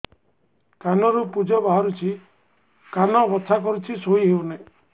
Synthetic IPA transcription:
kanɔɾupud͡ʒɔbaɦɔɾut͡ʃʰi | kanɔbɔt̪ʰakɔɾut͡ʃʰisoiɦewne

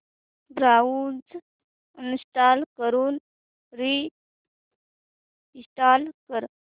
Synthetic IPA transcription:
bɾaud͡z | nɕʈaːlkəɾuːn | ɾi | iɕʈaːlkəɾ

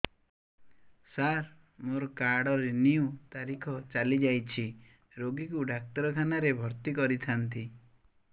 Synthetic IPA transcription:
saɾ | moɾɔkaɾɽɔɾeniut̪aɾikʰɔt͡ʃalid͡ʒajt͡ʃʰi | ɾoɡikuɖak̚ʈɔɾɔkʰanaɾebʱɔɾt̪ikɔɾit̪ʰant̪i

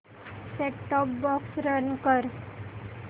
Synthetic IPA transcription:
ʈɛkʈɔp̚bɔksɾənkəɾ

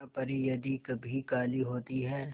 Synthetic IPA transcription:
pɐɾijɐd̪ikɐbʱikaːliɦoːt̪iɦɛː

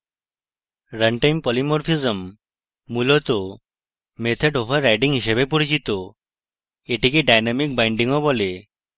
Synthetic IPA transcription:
ɾəɳʈajmpɔlimɔɾfʰizəmː | ulɔt̪ɔ | met̪ʰəɖoʋəɾːajɖiŋɡɦiɕəbep̬uɽid͡ʑit̪ɔ | eʈikeɖajnamik̚bajɳɖiŋɔbole

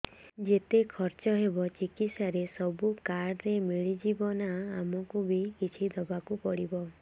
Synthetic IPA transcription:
d͡ʒet̪ekʰɔɾt͡ʃɔɦebɔt͡ʃikit̪saɾesɔbukaɾɾemiɭid͡ʒibɔnaːmɔkubʱikit͡ʃʰid̪ɔbakupɔɽibɔ

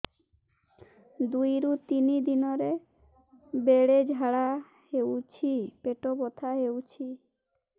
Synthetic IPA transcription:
d̪ujɾut̪inid̪inɔɾe | beɽed͡ʒʱaɽa | ɦewt͡ɕʰipeʈobɔt̪ʰaɦewt͡ʃʰi

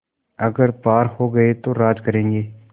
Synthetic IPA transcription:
ɐɡəɾpaːɾhoɡɐet̪oɾaːd͡ʒ̪kɐɾẽːŋɡeː

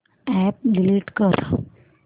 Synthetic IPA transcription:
ɛp̚ɖiliʈkəɾ

